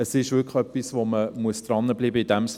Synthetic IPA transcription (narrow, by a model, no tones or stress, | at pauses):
əsɪʃʋʏkχœpːisvoməmuəsd̥̪ɾɑnːəbliːbəid̥æms